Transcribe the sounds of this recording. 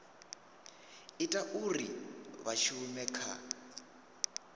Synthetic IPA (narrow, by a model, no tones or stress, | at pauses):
itʼaʔuriβaʃumɛkʰa̰